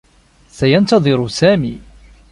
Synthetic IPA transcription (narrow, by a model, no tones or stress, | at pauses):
sajɑnt̪ɑðˤɨɾʊsæːmiː